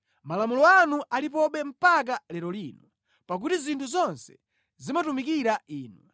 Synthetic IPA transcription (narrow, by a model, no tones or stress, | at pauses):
malamulɔanuʔalip̬ɔɓɛm̩pak̬alɛɾɔliːnɔ | pak̬utizintʰuzɔnsɛ̥ | zimatumik̬iɾaiːnwɛ̰